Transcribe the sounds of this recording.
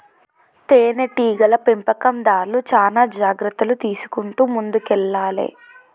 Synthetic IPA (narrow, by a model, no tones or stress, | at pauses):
t̪eːneʈiːɡɐlɐpempɐkɐmd̪aːɾlut͡ʃaːnaːd͡ʒaːɡɾɐt̪ːɐlut̪iːsu̥kuɳʈuːmund̪ukɛlːaːlḛː